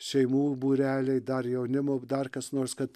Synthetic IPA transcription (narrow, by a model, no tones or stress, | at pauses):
ʃʲɛɪmuːbuːɾʲæːlʲɛɪd̪ɐrjɛʊnʲɪmoːd̪ɐrkɐsnoːɾskɐt̪